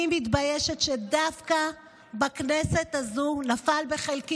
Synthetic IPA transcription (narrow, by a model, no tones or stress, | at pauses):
imit̪bajeʃetʃedafka | baknese̞t̪azunafalbe̞χelki